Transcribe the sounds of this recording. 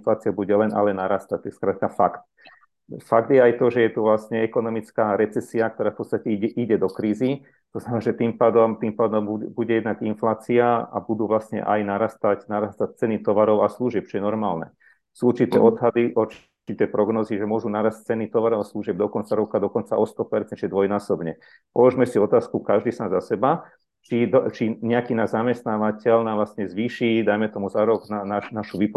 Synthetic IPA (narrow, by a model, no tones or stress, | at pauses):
nflaːt͡siabuɟɛlɛnʔa̰lɛnaɾaːst̪ac̚t̪ɔɛskɾaːt̪kafakt̪̚ | faɡd̪jɛajt̪ɔʒɛjɛt̪uʋlasɲɛɛkɔnɔmit͡skaːɾɛt͡sɛsiak̚t̪ɔɾaːfpɔt͡st̪acɛiɟɛʔiɟɛd̪ɔkɾiːzi | t̪ɔznamɛmɛnaːʒɛt̪impaːd̪ɔmt̪impaːd̪ɔmbubuɟɛjɛd̪naɡinflaːt͡siaa̰bud̪uːʋlasɲɛ̰ʔa̰jnaɾaːst̪acnaɾaːst̪ac̚t͡sɛnit̪ɔʋaɾɔʊasluʒɪɛp̚t͡ʃɔjɛnɔɾmaːlnɛ̰ | suːuɾt͡ʃit̪ɛ̰ːʔɔd̪ɦad̪iʔuɾt͡ʃ | it̪ɛːpɾɔɡnɔziʒɛmʊɔʒunaɾasc̚t͡sɛnit̪ɔʋaɾɔʊasluʒɪɛb̚d̪ɔkɔnt͡saɾɔkad̪ɔkɔnt͡saʔɔst̪ɔpɛɾt͡sɛnt͡ʃɔɛd̪ʋɔjnaːsɔbɲɛ | pɔlɔʒmɛsiɔt̪aːskukaʒd̪iːsaːnzasɛba | t͡ʃid̪t͡ʃiɲɛakiːnaːʒzamɛst̪naːʋacɛlnaʋlasɲɛzʋiːʃid̪ajmɛt̪ɔmuzaɾɔɡnanaʃnaʃuʋip